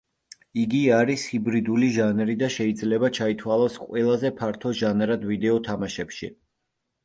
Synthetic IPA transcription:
iɡiaɾishibɾid̪uliʒanɾid̪aʃɛid̪zlɛbat͡ʃʰait̪ʰwalˠɔsqʼwɛlˠazɛpʰaɾt̪ʰɔʒanɾad̪vid̪ɛɔt̪ʰamaʃɛpʃḭ

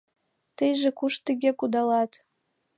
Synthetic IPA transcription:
t̪əjʒĕkuʃt̪əɡʲekud̪ɑlɑt̪

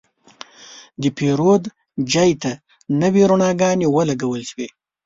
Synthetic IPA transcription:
d̪əpʰeɾod̪ | d͡ʒɑjt̪a | nəwiɾuɳɑɡɑnewəlaɡawəlʃwe

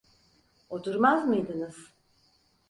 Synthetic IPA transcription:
ot̪ʰuɾmazmɯjd̪ɯnɯz̥

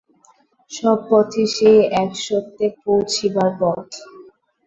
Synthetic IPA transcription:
ʃɔb̚ːot̪ʰiʃejɛkʃot̪ːepowt͡ɕʰibaɾpɔʈ

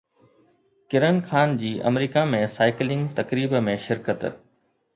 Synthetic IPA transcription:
kɪɾənxaːnd͡ʑiːʔɐ̰mɾiːkamẽsaːɪklɪ̃ŋɡt̪ɐkɾiːbmẽʃɪɾkət̪

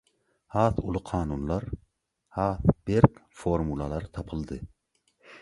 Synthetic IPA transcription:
hɑːθulˠuqʰɑːnunlˠɑɾ | hɑːθb̥eɾkʲfoɾmulˠɑlˠɑɾt̪ʰɑpʰɨlˠd̪ɨ

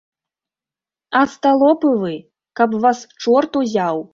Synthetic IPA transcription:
ɐst̪alˠɔpɨvɨ | kɐpvast͡ʂɔrt̪uzʲaw

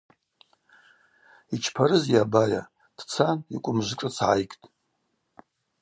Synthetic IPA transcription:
it͡ʃʰpʰaɾɨzjabaja̰ | d̥t͡sʰanikʷʼʊmʒʷʈ͡ʂʼɨt͡sʰʕajkʼtʼ

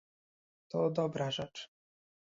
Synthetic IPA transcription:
t̪ɔd̪ɔbɾaʐɛt͡ʂ

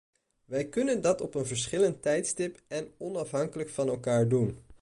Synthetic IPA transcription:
ʋɛjkɵnəndɑtɔpənvəɹsχɪləntɛjtstɪpɛnɔnɑfɦɑŋkələkfɑnɛlˠkaːɹdun

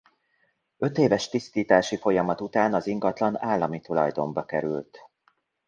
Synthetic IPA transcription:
ø̞t̪eːvɛʃt̪ist̪iːt̪aːʃifo̞jɒmɒt̪ut̪aːnɒziŋɡɒt̪lɒnaːlːɒmit̪ulɒjd̪o̞mbɒkɛɾy̰lt̪

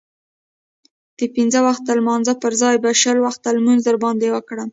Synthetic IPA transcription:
d̪̥əpinzəwaxt̪̚d̪əlmɑnzapəɾzɑjbaʃəlwaxt̪ːalmunzəɾbɑnd̪ewəkɽəm

